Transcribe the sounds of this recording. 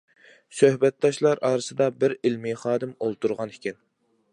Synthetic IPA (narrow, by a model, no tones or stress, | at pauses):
søhbɛt̪̚d̪ɑʃlˠɑɾʔɑːɾɨsɨd̪ɑbɪɾɪlmiχɑːd̪ɨmolˠt̪uɾʁɑnɪkʲʰin